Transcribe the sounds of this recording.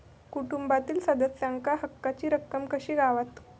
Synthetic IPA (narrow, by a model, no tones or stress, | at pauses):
kuʈumbat̪iːlsəd̪əsjaŋkaɦəkːat͡ɕiːɾəkːəmkəɕiːɡaʋat̪